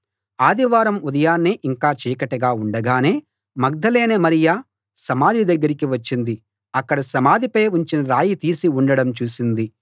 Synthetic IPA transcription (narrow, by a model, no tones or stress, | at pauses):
aːd̪iʋaːɾɐmud̪ɐjaːnːiʔiŋkaːt͡ʃiːkɐʈɐɡaːuɳɖɐɡaːneː | mɐɡ̚d̪ɐle̞ːnemɐɾija | sɐmaːd̪ʱid̪ɐɡːɐɾikiʋɐt͡ʃːind̪i | ɐkːɐɽɐsɐmaːd̪ʱipɐjuɲt͡ʃinɐɾaːjit̪iːsiuɳɖɐɽɐmt͡ʃuːsind̪i